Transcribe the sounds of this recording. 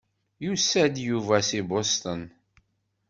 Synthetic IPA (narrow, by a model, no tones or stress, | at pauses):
jusæd̪juvæsibost̪ən